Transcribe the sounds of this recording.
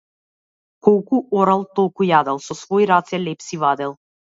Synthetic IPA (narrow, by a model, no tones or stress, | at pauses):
kɔlˠkuʔɔɾalˠt̪ɔlˠkujad̪ɛlˠsɔsvɔiɾat̪sɛlɛpsivad̪ɛlˠ